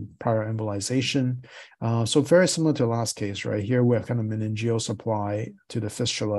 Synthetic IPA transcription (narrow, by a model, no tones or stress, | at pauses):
pʰɹ̥aɪə˞ɛ̃mbəlˠɪzeɪʃɨ̃n | soʊvɛɹisɪ̃ml̩ˠə˞ɾʰɨlæskʰeɪsɹa̰ɪt̚hiɹwɪkʰãɪ̃ndʌɨ̃nɛ̃nd͡ʒioʊsəpʰl̥aɪtʰɨðɨfɪst͡ʃəl̩ˠ